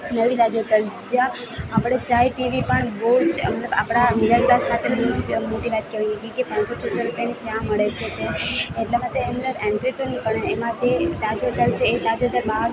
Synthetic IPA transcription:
nəlit̪ad͡ʒot̪əld͡ʒãː | pɽ̃et͡ʃajʈiʋipəɳboɦud͡ʒmət̪ləba̰pɽ̃amid̪əɾkɾaskʰat̪ʰenibɔɦud͡ʒmoʈiʋat̪̚keʋaniɡeɡikepãnsot͡ʃʰəsoɾupjanit͡ʃãməɭet͡ʃʰet̪aeʈlamat̪eːmnəɾɛɳʈɾet̪onipəɳemãd͡ʒet̪ad͡ʒot̪əlt͡ʃʰeːt̪ad͡ʒod̪əɾbaɦəɾ

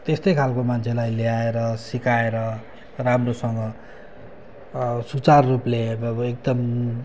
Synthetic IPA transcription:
t̪est̪ʌjkʰalkomant͡sʰelajleaeɾʌsikaeɾʌ | ramrosʌŋɡʌ | sut͡sarːupleʌek̚d̪ʌm

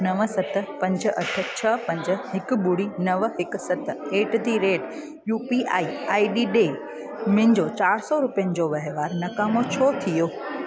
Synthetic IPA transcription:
nɐʋ̆sɐt̪̆ʰpɐ̃ɲd͡ʑ̆ɐ̰ʈʰə̆t͡ɕʰɐpɐ̃ɲd͡ʑə̆ɦɪkʊ̆ɓʊɽinɐʋɦɪk̆sɐt̪̆ʰeːʈt̪iɾeːʈ | juːpiʔa̰ːiaːiɗiːɗeː | mɪ̃ɦɪ̃ɲd͡ʑot͡ɕaːɾsɔɾʊpijənɪ̆d͡ʑoʋɐɦeʋaːɾnɐkaːmot͡ɕʰɔːt̪ʰijoː

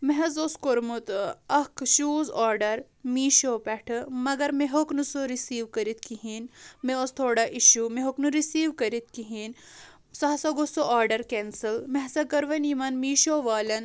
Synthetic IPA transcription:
meɦɐzoskoɾmut̪ɐkʃuːzaːɾɖɐɾ | miːʃoːpɛʈʰɨmɐɡɐɾmeɦoknusoɾisiːʋkɐɾit̪kiɦinmeost̪ʰoːɽɐʔiʃumeɦoknuɾisiːʋkɐɾit̪̚kiɦin | sɐɦɐsɐɡosoaːɾɖɐɾkensilmeɦsɐkɐɾʋɐnimɐnmiːʃoːʋaːlʲɐn

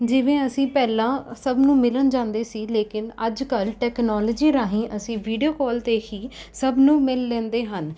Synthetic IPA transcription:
d͡ʒɪʋẽːəsĩːpɛːlãːsəbnũːmɪlənd͡ʒãːnd̪eːsiːleːkɪnəd͡ʒkəlʈɛːknɔːləd͡ʒiːɾaːɦĩːʔəsĩːʋiːɖijoːkɔːlt̪eːɦiːsəbnũːmɪlːɛ̃ːnd̪eːɦən

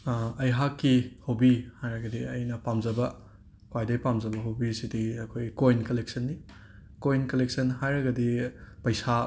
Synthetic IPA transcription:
ɐjɦakːihowbihajɾɐɡɐdiɐjnɐpamzɐbɐ | kwajdɐjpamzɐbɐɦowbisidiɐkʰojkojnkɐlek̚sɐnːi | kojnkɐlek̚sɐnɦajɾɐɡɐdipɐjsa

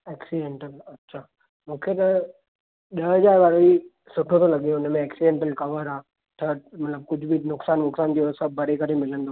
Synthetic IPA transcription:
eːksiɖẽːɳʈəlɐtːʃʰaː | mũːkʰet̪ɐ | ɗɐɦəd͡ʒaːɾʋaːɾoi | sʊʈʰõt̪ʰolɐɠiõʊnəmẽɛːksiɖẽɳʈəlkɐʋəɾaː | ʈʰəʈ̚mɐt̪ləb̚kʊd͡ʑʱbʱinʊksaːnnʊksaːnd͡ʒisɐbɐɾekəɾẽmɪlə̃nd̪o

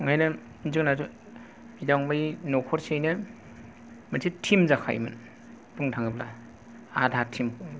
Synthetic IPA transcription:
ŋajnɐ | nzɯk̚nazu | bidaŋbajnɔkʰɔɾsejnɯ | mansʰitʰimzakʰa̰jmɯ̰n | pɯŋtʰaŋɯpla | adʱaɾtʰimu

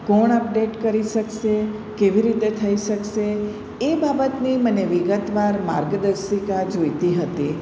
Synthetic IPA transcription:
kɔɳəp̚ɖeʈkəɾiʃəkʃe | keʋiɾit̪et̪ʰəiʃəkʃe | ebabət̪niməneʋiɡət̪ʋaɾma̰ɾɡəd̪əɾʃikad͡ʒojt̪iɦət̪i

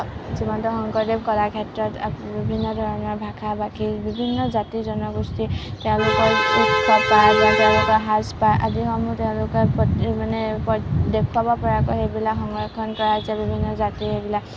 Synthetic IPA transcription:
zimantɔxɔŋkɔɹdep̚kɔlakʰɛtɹɔtbibʱinːɔdʱɔɹɔnɔɹbʱakʰabakibibʱinːɔzatizɔnɔɡɹustitɛʊ̃lʊkɔɹikpapazãtɛʊ̃lʊkɔɹɦaspajʔadiɦɔmutɛʊ̃lʊkɔpɔtmanɛpɔdekʰwabɔpɔɹakoxejbilakxɔŋɡɹɔkʰɔnkɔɹatiabibʱinːɔzatihebilak

